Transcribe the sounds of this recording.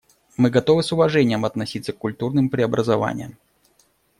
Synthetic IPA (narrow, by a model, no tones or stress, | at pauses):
mɨɡɐt̪ovɨsʊvɐʐɛnʲɪjəmɐt̪nɐsʲit̪sːək̚ːʊlʲt̪urnɨmpɾʲɪɐbɾʔəzɐva̰nʲɪ̰jəm